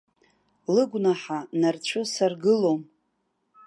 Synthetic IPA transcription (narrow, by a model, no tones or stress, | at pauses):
lɨɡʷnaħanart͡ɕʷʰʊsarɡɨlo̞m